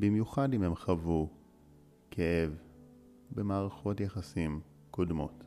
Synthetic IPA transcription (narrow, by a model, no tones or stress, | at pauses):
bimjuχadimhemχavu | kʰeʔev | bemaːʁaχo̞tjeχasim | kodmo̞̰t